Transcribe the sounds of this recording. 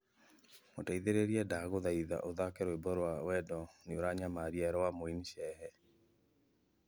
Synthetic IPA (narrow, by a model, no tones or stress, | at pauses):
motaiðeɾeɾiɛdaɣoðaiða̰ʔoðakɛɾɔebɔɾowawɛdɔneoɾaɲamaɾiaɾɔwamoiniʃɛhɛ